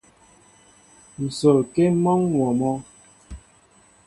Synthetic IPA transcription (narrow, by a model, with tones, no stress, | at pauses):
n̩˨so˨ke˦mɔ˦ŋnwɔ˨mɔ˦